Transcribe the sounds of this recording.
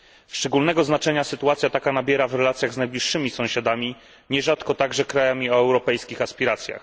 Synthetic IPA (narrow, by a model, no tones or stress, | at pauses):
ʂt͡ʂɛɡulnɛɡɔznat͡ʂɛɲasɘt̪uat̪sʲjat̪akanabʲjɛɾavɾɛlat̪sʲjaɣznajblʲiʂːɘmʲisɔ̃w̃ɕad̪amʲi | ɲɛʐat̪kɔt̪aɡʐɛkɾajamʲiɔɛwɾɔpɛjskʲixaspʲiɾat̪sʲja̰x